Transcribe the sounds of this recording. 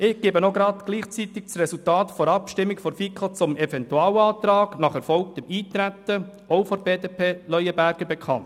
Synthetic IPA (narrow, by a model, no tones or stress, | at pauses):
ɪɡ̥eːbənoɡɾɑt̪ɡ̥liːχt͡sit̪ɪk̚t͡srɛsultɑːtfɔɾɑpʃtɪmːɪkfɔɾfikʰət͡sʊmɛfɛntuɑːwɑːt̪ɾɑːɡ̥nɑχɛɾfɔlk̚tɪmiːt̪ɾæt̪ə | ɔʊfɔɾbeːdeːpʰeːlœʏəbæɾɡ̥əɾbɛkʰɑ̰nt